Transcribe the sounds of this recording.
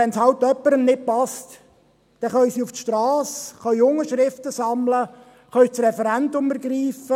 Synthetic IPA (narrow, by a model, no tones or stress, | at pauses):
ɛnshɑwt̪ːœpːəɾənnɪt̚pɑst̪ | d̥ɛχœʏsiuftʃtɾɑːsχœjʊŋəʃɾɪft̪əsɑmlə | χœʏt͡srɛfɛɾænd̪ʊməɾɡɾiːfə